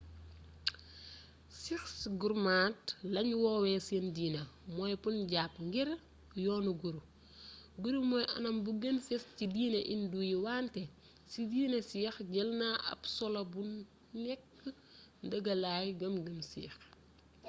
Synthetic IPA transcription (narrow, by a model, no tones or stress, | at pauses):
sixsɡuɾmaːt̚lɐɲwɔːwɛseːndiːnɐmɔːjpunɟaːpŋɡiɾ | jɔːnuɡuɾu | ɡuɾumɔːjʔɐ̰nɐmbuɡɐnfɛstcidiːnɐʔindujiwaːntɛ | sidiːnɐsixɟɛlnaʔɐ̰psɔlɐbu | nɛkː | ndɐɡɐlaːjɡɐmɡɐmsiːx